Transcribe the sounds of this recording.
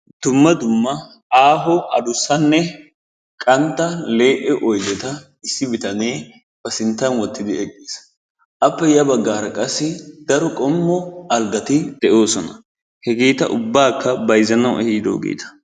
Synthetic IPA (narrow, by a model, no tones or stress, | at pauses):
d̪̥ʊmːɐd̪ʊmːɐ | aːɦɔɐ̰d̪ʊsːɐnːɛ | kʼɐnt̪ːɐle̞ːʔɛʔɔjd̪ɛt̪ɐ | ɪsːɪbɪt̪ɐneː | b̥ɐsɪnt̪ːɐnwɔt̪ːɪd̪ɪɛkʼːeːs | ʔɐpːɛjɐbɐɡːaːɾɐkʼɐsːɪd̪ɐɾɔkʼɔmːɔɐlɡɐt̪ɪd̪̥ɛʔo̞ːsɔnɐ | hɛɡeːt̪ɐ̰ʔʊbːaːkːɐbɐjzɐnɐwʔɛhiːd̪o̰ːɡḛːt̪ɐ̥